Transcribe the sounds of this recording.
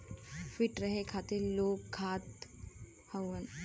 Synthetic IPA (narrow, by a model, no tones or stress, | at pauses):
fiʈɾəɦekʰaːt̪eloːk̚ɡʰʱaːt̪ | həwən